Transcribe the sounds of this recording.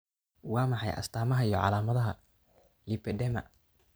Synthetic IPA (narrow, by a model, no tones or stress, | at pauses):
wɑːmɑħɑjʔɐ̰st̪ʰaːmɐɦɐijːɔʕɑ̰laːmɐðɐɦɐ | lipʰɛdɛmɐ̰